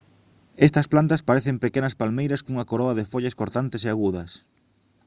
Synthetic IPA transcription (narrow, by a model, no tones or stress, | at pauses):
est̪ɐsplant̪ɐspaɾeθempekenɐspalmejɾɐskuŋɐkoɾɔɐðefoʎɐskoɾt̪ant̪eɪseaɣuðɐs